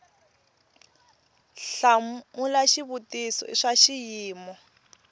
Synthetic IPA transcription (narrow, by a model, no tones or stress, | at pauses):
ɬaulaʃiβutisɔ̰ḭʂaʃijiːmɔ